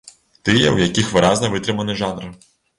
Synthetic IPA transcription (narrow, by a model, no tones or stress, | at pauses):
t̪ɪjɛwjɐkʲixʋɪɾɑznɐʋɪt̪ɾɨmɐnɪʒɑnr